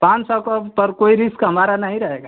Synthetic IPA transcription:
pãt͡ʃsɔkəpəɾkoiɾiskɦəmaɾanaɦĩɾəɦeɡa

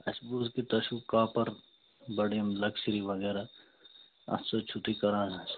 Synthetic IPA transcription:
ɐ̰sbuːzkit̪ɐʃukaːpɐɾ | bɐɽiɐmlɐksiɾiʋɐɡeːɾa | ɐ̰sot͡ʃʰut̪ikɐɾãːɐs

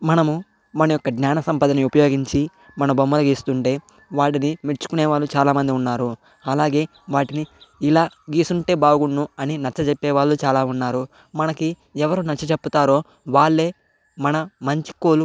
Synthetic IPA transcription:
mɐnɐmu | mɐnɐjɔkːɐɡnʲaːnɐsɐmpɐd̪ɐniupɐjo̞ːɡiɲt͡ʃi | mɐnɐbɐmːɐlɐɡiːst̪uɳʈe̞ː | ʋaːʈinimiɾt͡ʃu̥kunɛːʋaːɭːut͡ʃaːlaːmɐnd̪iunːaːɾu | ɐlaːɡe̞ː | ʋaːʈiniːlaː | ɡiːsuɳʈe̞ːbaːɡuɳːuɐninɐt͡ʃːɐt͡ʃepːɛːʋaːɭːut͡ʃaːlaːunːaːɾu | mɐnɐki | ɛʋɐɾunɐt͡ʃːɐt͡ʃepːut̪aːɾo̞ː | ʋaːɭːe̞ː | mɐnɐmɐɲt͡ʃi̥koːlu

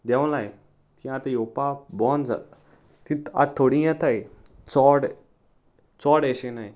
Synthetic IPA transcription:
d̪ɛ̃w̃laj | t̪ĩat̪ajopabɔnd͡za̰ | t̪it̪a̰t̪ʰːoɽĩjãt̪aj | t͡sɔɽ | t͡sɔɽɛɕenaj

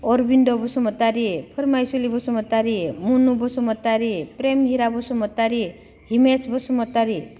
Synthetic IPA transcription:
ɔɾbiɳɖɔbɔsɔmɔt̪aɾipʰɔɾmajselibɔsumɔt̪aɾimunubɔsumɔt̪aɾipɾemɦiɾabɔsɔmɔt̪aɾi | himesbɔsumɔt̪aɾi

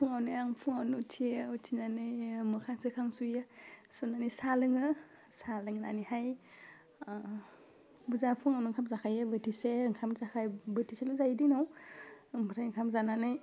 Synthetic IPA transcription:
pʰuŋawnɯjaŋpʰuŋawnɯutʰiutʰinanɯjmɯkʰasɯkʰaŋsujɯsunanisalɯŋɯ | salɯŋna̰nihaj | buzapʰuŋawnuŋkʰamzakʰajɯbətʰiseŋkʰamzakʰajbətʰiseluzajdinaw | mbʰɾajŋkʰamzananɯj

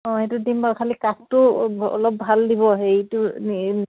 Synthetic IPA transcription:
ɔ̃ɦetudimbakʰalikastʊɔ̰lɔp̚bʱaldibɔɦetu

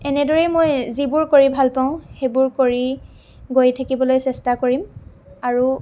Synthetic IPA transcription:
ɛnɛdɔɹɛmojzibuɹkoɹibʱalpaʊ̃xebʊɹkoɹi | ɡojtʰakibɔlojsɛstakoɹim | aɹu

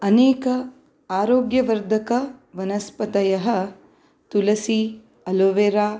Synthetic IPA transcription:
ɐneːkɐ | aːɾoːɡjɐʋɐɾd̪ʱɐkɐʋɐnɐspɐt̪ɐjɐɦɐ | t̪ulɐsi | ɐloʋeɾaː

